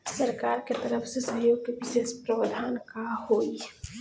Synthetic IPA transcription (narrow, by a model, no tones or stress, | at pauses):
səɾkaːɾket̪əɾəfʰsesə̃ɦjoːɡ̚t̪eʋɪʃeːspɾəʋəd̪ʱaːnkahoːi